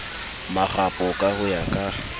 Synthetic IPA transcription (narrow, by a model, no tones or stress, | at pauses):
maχapʼʊkʼahʊjakʼa